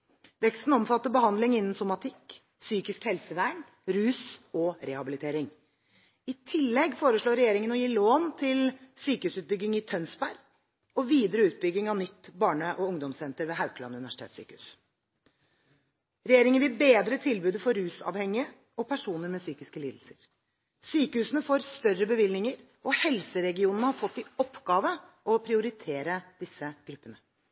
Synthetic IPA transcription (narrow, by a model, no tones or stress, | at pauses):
ʋɛkst̪n̩ɔmfɑt̪ːəbəhɑnd̪lɪŋɪnːn̩sʊmɑt̪ʰɪkː | syːkɪskhɛlsəʋæːɳ | ɾʉːsɔɾɛhɑbɪlɪt̪ʰeːɾɪŋ | ɪt̪ʰɪlːɛɡfoːɾəʂɭoːɾɛjeːɾɪŋənɔjiːloːnt̪ʰɪlsyːkəhʉːsʉːt̪̚bʏɡɪŋɪt̪ʰœnsbæɾ | ɔʋiːd̪əɾəʉːt̪̚bʏɡːɪŋɑnɪt̪ːbɑːɳəʔɔʊŋd̪ɔmsɛnt̪əɾʋeːɦaʉklɑ̰nʉnɪʋæʂɪt̪ʰḛːt̪sy̰ːkəʉ̰s | ɾɛjeːɾɪŋənʋɪlbeːd̪ɾət̪ʰɪlbʉːd̪əfɔɾːʉːsɑ̰ːʋhɛŋɪə | ɔpʰæʂuːnəɾmɛsyːkɪskəliːd̪l̩səɾ | syːkəhʉːsənəfoːɾst̪œrːəbəʋɪlnɪŋəɾ | ʔɔhɛlsəɾɛɡɪuːnənəhɑɾfɔt̪ːɪɔpːɡɑːʋə | ʔɔpʰɾɪʊɾɪt̪ʰeːɾəd̪̥ɪsːəɡ̥ɾʉpːənə